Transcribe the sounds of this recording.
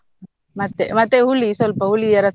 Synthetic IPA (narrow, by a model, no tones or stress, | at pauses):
mɐt̪ːemɐt̪ːeɦuɭːisɔlpɐuɭiɐɾɐs